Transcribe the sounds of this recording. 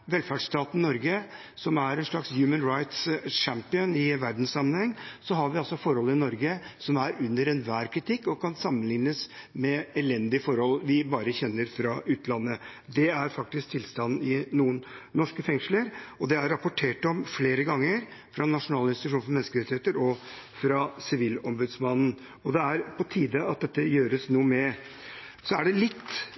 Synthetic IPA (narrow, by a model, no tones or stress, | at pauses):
ʋɛlfæɖʂt̪ɑːt̪n̩nɔɾɡə | sɔmæɾɛnʂɭɑksjʉːmənɾɑɪt̪sʂæmpɪənɪʋæɾd̪n̩ssɑmːənhɛŋːsɔɦɑɾʋɪɑlsɔfɔɾhɔlɪnɔɾɡəsɔmæɾʉnːəɾɛnʋæːɾkʰɾɪt̪ʰɪkːɔkʰɑnsɑmːənlɪŋnəsmɛɛlɛnd̪ɪfɔɾhɔlʋɪbɑːɾəçɛnːəɾfɾɑʔʉːt̪əlɑnːə | d̪ɛæɾfɑk̚t̪ɪskt̪ʰɪlst̪ɑn̩ːɪnuːənːɔʂkəfɛŋʂl̩əɾɔd̪ɛæɾːɑpɔʈʰeːʈɔmfleːɾəɡɑŋːəɾfɾɑnɑʂʊnɑːləɪnsɪt̪ʉʂuːnfɔɾmɛnːskəɾɛt̪ːɪheːt̪əɾɔ | fɾɑsɪʋiːlɔmbʉd̪smɑnn̩ | ɔd̪ɛæɾpʰɔt̪ʰiːd̪əɑt̪̚d̪ɛt̪ːəjøːɾəsnuːəmɛ | sɔæɖɛlɪt̪ː